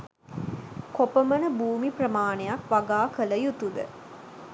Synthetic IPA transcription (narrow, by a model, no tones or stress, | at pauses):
kopəmənəbuːmiprəmaːnejakʋaɡaːkələjut̪ud̪ə̰